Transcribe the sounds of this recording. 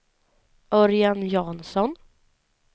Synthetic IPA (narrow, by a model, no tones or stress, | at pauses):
ɔɾjanjɑːnsɔn